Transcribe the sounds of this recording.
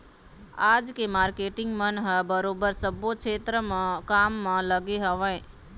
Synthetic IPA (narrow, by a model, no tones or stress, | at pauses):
ad͡ʒkemaɾkeʈɪŋɡmənɦəbəɾobəɾsəbokt͡ʃʰeːt̪ɾəmãkamːãləɡeɦəʋə̃ɪ